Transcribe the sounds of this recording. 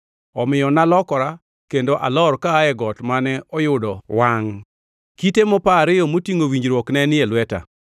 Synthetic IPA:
ɔmɪjɔnalɔkɔɾa | kendoʔa̰lɔrkaːɛɡɔtmanɛɔjʊdɔwaŋ | kitemɔpaɾɪjɔmotiŋowiɲd͡ʒɾwɔknɛnɪɛlwɛta̰

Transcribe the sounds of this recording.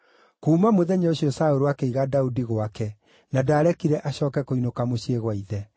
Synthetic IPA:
kuːmamoðɛɲoɕiɔsaoɾuwakeiɣadaudiɣowakɛ | nadaːɾɛkiɾɛʔaɕɔːkɛkoinokamoɕjeɣwaiðɛ

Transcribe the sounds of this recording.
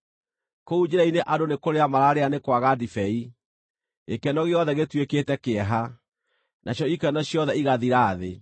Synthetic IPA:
koud͡ʑeɾaineʔadonekoɾeamaɾaɾeanekwaɣadifɛi | ekɛnɔɣeɔðɛɣetweketɛkeɛɦa | nʔaɕjɔikɛnɔɕjɔðɛiɣaðiɾaːðe

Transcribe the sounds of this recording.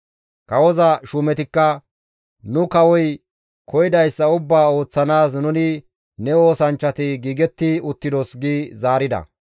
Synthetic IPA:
kɐwɔzɐʃuːmɛt̪ɪkːɐ | nʊkɐwɔj | kʰɔjɪd̪ɐjsːɐʊbːaːo̞ːt͡sːɐnaːs̬nʊnɪ | nɛo̞ːsɐnt͡ʃːɐt̪ɪɡiːɡɛt̪ːɪʊt̪ːɪd̪osɡiːzaːɾɪd̪ɐ̰

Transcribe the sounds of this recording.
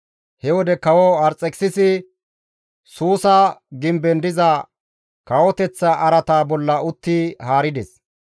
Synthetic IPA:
hɛwɔd̪ɛkɐwɔɐɾt͡sʼːɛkʼsɪsɪ | suːsɐɡɪmbɛnd̪ɪzɐ | kɐwɔt̪ɛt͡sːɐʔɐɾɐt̪aːbɔlːɐʊt̪ːɪhaːɾɪd̪ɛs

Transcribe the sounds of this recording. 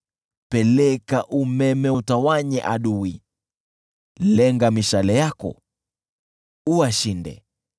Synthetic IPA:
pɛlɛkaʔumɛmɛutawaɲɛ̰ʔa̰ɗuwi | lɛŋɡamiʃalɛjakɔ̰ | uaʃindɛ̰

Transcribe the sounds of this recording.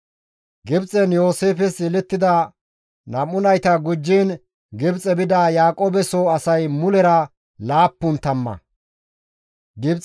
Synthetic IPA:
ɡɪbt͡sʼɛnjo̞ːse̞ːfɛsɪlɛt̪ːɪd̪ɐ | nɐmʊnɐjt̪ɐɡʊd͡ʒːiːn | ɡɪbt͡sʼɛbɪd̪ɐjaːkʼoːbɛsoɐsɐjmʊlɛɾɐ | laːpːʊnt̪ɐmːɐ̰ | ɡɪbt͡s

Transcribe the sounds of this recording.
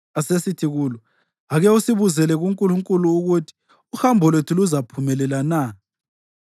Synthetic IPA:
asesitʰiɣuːlɔ | aɣɛusiβuzɛlɛɣuŋkʼuluŋkʼuluːɣutʰi̥ | uxambʱɔlwetʰuluzapʰumɛlɛlana

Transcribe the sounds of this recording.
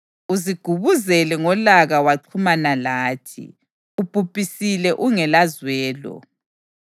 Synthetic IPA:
uziɡ̥ʱuβuzɛlɛŋɔlaɣawaǀʰumanalaːtʰḭ | ub̥ʱupʼisilɛʔuŋɛlazwɛːlɔ̰

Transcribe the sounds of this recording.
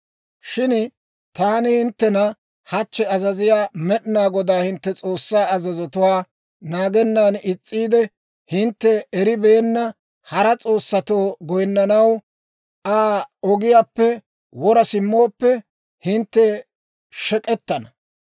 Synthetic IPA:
ʃɪn | t̪aːnɪhɪnt̪ːɛnɐ | hɐt͡ʃːɛɐzɐzɪjaːmɛɗɪnaːɡɔd̪aːhɪnt̪ːɛt͡sʼoːsːaːɐzɐzɔt̪ʊwaː | naːɡɛnːaːnɪt͡sʼːiːd̪ɛ | hɪnt̪ːɛɛɾɪbɛːnːɐ | hɐɾɐt͡sʼo̞ːsːɐt̪oːɡɔjnːɐnɐw | ʔaːɔɡɪjaːpːɛ | wɔɾɐsɪmːo̞ːpːɛ | hɪnt̪ːɛ | ʃɛkʼɛt̪ːɐnɐ

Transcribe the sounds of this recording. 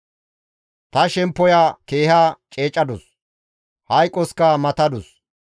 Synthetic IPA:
t̪ɐʃɛmpːɔjaːke̞ːhaːt͡ʃʼe̞ːt͡ʃʼːɐd̪ɔs | hɐjkʼːɔskɐmɐt̪ɐd̪ɔs

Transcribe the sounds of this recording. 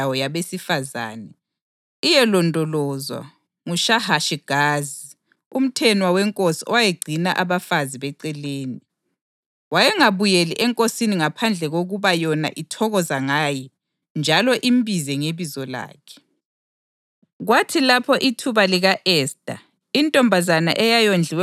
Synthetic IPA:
awɔjaβesifaza̰ːnɛ | ijɛlɔndʱɔlɔːzwa̰ | ŋuʃahaʃiɡ̥ʱaːzi | um̩tʰɛnwawɛŋkʼosiɔwajeɡ͡ǀʱinaʔaβafaziβɛǀɛleːni | wajɛŋaβujeliʔɛŋkʼosiniŋapʰand͡ɮʱɛɣoɣuβajɔna̰ʔitʰɔɣɔzaŋaːji | nd͡ʒʱalɔʔimbʱizɛŋeβizɔla̰ːkʰɛ̥ | ɣwatʰilapʰɔʔitʰuβaliɣaʔɛːsd̥ʼa̰ | intʼɔmbʱazana̰ʔɛjajond͡ɮʱiwɛ

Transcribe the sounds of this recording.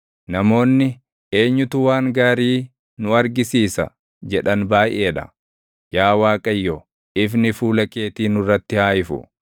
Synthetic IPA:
nɐmo̞ːnːɪ | e̞ːɲːʊt̪ʊwaːŋɡaːɾiː | nʊɐɾɡɪsiːsɐ̰ | d͡ʒɛᶑɐnbaːʔe̞ːᶑɐ̰ | jaːwaːkʼɐjːɔ | ɪfnɪfuːlɐke̞ːt̪iːnʊrːɐt̪ːɪhaːjɪfʊ̰

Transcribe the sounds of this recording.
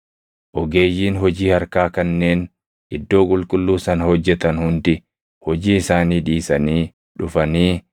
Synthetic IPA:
ʔɔɡe̞ːjːiːnɦɔd͡ʒiːhɐɾkaːkɐnːe̞ːn | ʔɪd̪ːo̞ːkʼʊlkʼʊlːuːsɐnɐhɔd͡ʒːɛt̪ɐnhʊnd̪ɪ | hɔd͡ʒiːɪsaːniːᶑiːsɐniː | ᶑʊfɐniː

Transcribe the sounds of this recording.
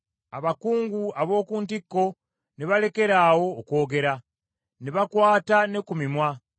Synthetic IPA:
a̰βakuːŋɡuaβo̞ːkuːntikːo̞ | neβale̞ke̞ɾaːwo̞ːko̞ːɡe̞ɾa | neβakwaːtane̞kumimwa

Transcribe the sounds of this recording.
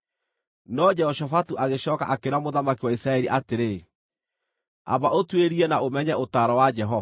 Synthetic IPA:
nɔd͡ʒɛhɔʃɔfatuʔaɣeɕɔːka̰ʔakeɾamoðamakiwaisɾaɛɾiʔateɾe | a̰baotweɾiɛnaomɛɲɛʔotaɾɔwad͡ʒɛɦɔa

